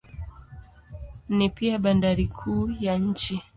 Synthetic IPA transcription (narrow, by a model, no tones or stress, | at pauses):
nipiaɓandaɾikʰuːjaɲ̩t͡ʃi